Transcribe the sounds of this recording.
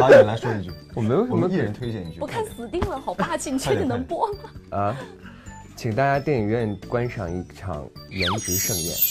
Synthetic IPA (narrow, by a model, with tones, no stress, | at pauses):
a˧˥˧la˧˥ɪʂwɔ˥di˨˩t͡ɕʰwɔ˨˩me˧˥jo˧ʊʂə˥mə˥i˥˩˧ɻə˧˥nt̪ʰwe˥ɪt͡ɕjɛ˥˩ni˥˩y˥pu˧˥kʰa˥˩nsɹ̩˨˩t̪i˥˩˧ŋlə˧˥xɑ˨˩ʊpa˥˧t͡ɕi˥˩ni˨˩t͡ɕ̪ʰi˨˩n˧˥ŋpwɔ˥ə˧˩ | t͡ɕʰi˨˩ŋt̪a˥˧˩t͡ɕja˥t̪jɛ˥˩i˨˩ɥɛ˥˩nkwa˥nʂɑ̰˨˩ŋi˥˩ʈ͡ʂʰɑ̰˨˩ŋjɛ˧˥nʈ͡ʂu˧˥ʂɤ˥˧ŋjɛ̰˥˩n